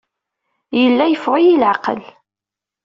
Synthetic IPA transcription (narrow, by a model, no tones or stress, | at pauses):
jəlːæjəfʁʊjilʕaqə̰l